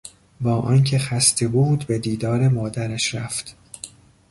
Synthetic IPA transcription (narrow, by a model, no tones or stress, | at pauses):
bɒːʔɒːncʰe̞xæst̪ʰe̞buːd̪bed̪iːd̪ɒːɾe̞mɒːd̪æɾæʃɾæft̪